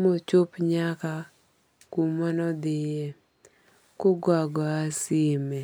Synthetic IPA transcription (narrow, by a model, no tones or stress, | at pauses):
mot͡ʃʊpɲaka | kumanɔd̪ɪje | kʊɡwaɡɔasɪmɛ